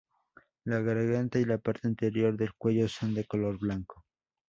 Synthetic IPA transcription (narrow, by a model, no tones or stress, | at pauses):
laɣaɾɣant̪ailapaɾt̪e̞int̪e̞ɾjo̞ɾðe̞lkwe̞ʝo̞so̞nd̪e̞ko̞lo̞ɾβlaŋko